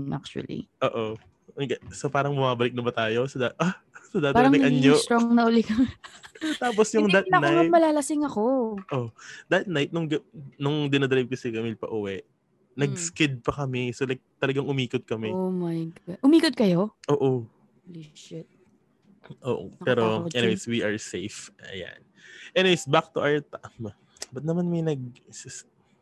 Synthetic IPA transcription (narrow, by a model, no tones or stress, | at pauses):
ʔa̰k̚t͡ʃuɐ̰lḭʔoːʔo | ŋɡɐsopaːɾɐŋbʊmaːbɐlɪk̚nɐbɐt̪aːjo̞sɐd̪a | sɐd̪aːtpaɪːɾɐŋɐʔɐnjot̪ɾoŋnɐʔʊlɪkɐŋ | t̪aːp̬osjʊŋdd̪ɐt̪ɐnaɐmɐlaːlɐsɪŋɐkoʔod̪ɐt̪̚najt̪̚nʊŋɡɐnʊŋd̪ɪnɐd̪ɾajb̚kɐsɛkɐmɪlpɐ̰ʔuwɛʔ | nɐɡ̚skɪd̪̚pɐkɐmɛsolajk̚t̪ɐlɐɡaŋʔʊmiːkot̪̚kɐmɛmajnʔʊmiːkot̪̚kɐjoʔoːʔo | liʃɪt̪̚ | ʔoːʔo̰pɛːɾoɛnɪwejswiʔɐɹsejfʔɐ̰ja̰n | ʔɛnɪwejsbak̚t̪uʔawt̪am | bɐt̪̚nɐmanmɐjnɐɡ̚sɪs